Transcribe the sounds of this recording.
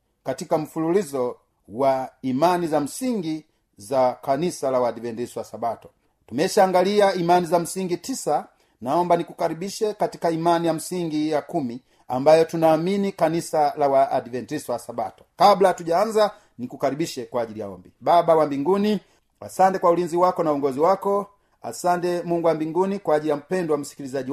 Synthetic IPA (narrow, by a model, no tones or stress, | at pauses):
katikam̩fululizɔ | waimanizam̩siŋɡi | zakanisalawadivɛntisɔwasabatɔ̥ | tumɛʃaːŋɡaliaimanizam̩siŋɡitisa | naɔmbanikukaɾibiʃɛkatikaimanijam̩siŋɡijakumi | ambajɔtunaːminikanisalawaʔːdivɛntisɔwasabatɔ̥kablaatuɟaanza | nikukaɾibiʃɛkwaːʄilija̰ɔ̰mbibabawambiŋɡuni | a̰santɛkwaulinziwakɔnauɔŋɡɔziwakɔ | a̰santɛmuŋɡuwambiŋɡunikwaːɟilijam̩pɛndɔwam̩si̥kilizaʄi